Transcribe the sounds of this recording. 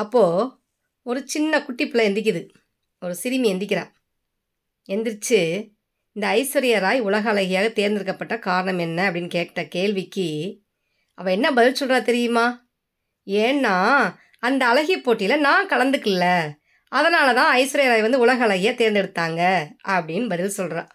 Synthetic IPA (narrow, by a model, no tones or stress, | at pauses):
ɐpːoː | ɔɾɯt͡ʃɪnːɐkʊʈːɪpːɯlɐɛnd̪ɪk̬ʲːɯðɯ | ɔɾɯsɪɾɪmiɛnd̪ɪk̬ʲːɪɾã̰ː | ɛnd̪ɪɾt͡ʃːɯ | ɪnd̪ɐːɪsɯɾɐjɐɾaːjʊɭɐɣɐːɭɐɣɪjaːɣɐt̪eːɾnd̪ɪɾɯkːɐpːɐʈːɐkaːɾɐɳɐmɛnːɐɐpːɐɽɪnːkeːʈːɐkeːɭʋɪkːɯ | ɐʋɐ̃ɛnːɐbɐðɪlsɔlraːt̪ɛɾɪjɯmaː | eːnːaː | ɐnd̪ɐːlɐɣɪjɐpːoːʈːɪjlɐnaːkɐɭɐnd̪ɯkːɯlːɐ | ɐðɐnaːlɐt̪ãːɐɪsɯɾɐjɐɾaːjʋɐnd̪ɯʊɭɐɣɐːɭɐɣɪjaːt̪eːɾnd̪ɛɽɯt̪ːaːŋɡɐɐpɐɽɪnːbɐðɪlsɔlɾã̰ː